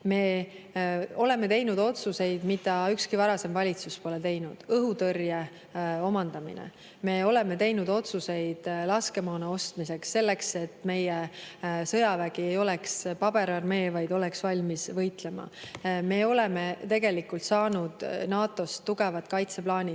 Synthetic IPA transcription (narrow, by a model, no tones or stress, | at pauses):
me̞ː | o̞le̞me̞t̪e̞jnud̪̥o̞t̪suse̞jd̪̥mid̪ɑykskivɑɾɑse̞mvɑlʲit̪suspo̞let̪e̞jnud̪̥ɤɦut̪ɤrje | o̞mɑnd̪̥ɑmḭnḛ | me̞o̞le̞me̞t̪e̞jnud̪̥o̞t̪suse̞jd̪̥lɑske̞moːnɑo̞st̪mise̞ksːe̞lːe̞kse̞t̪ːme̞jesɤjɑvæɡ̥ie̞jo̞lekspɑb̥e̞ɾɑrme̞ːvɑjd̪o̞leksvɑlʲmisvɤjt̪le̞mɑ̰me̞ːo̞le̞me̞t̪e̞ɡe̞likult̪sɑːnud̪̥nɑːt̪ːˑo̞st̪ːuɡ̥e̞vɑt̪kɑjt̪se̞plɑːnʲi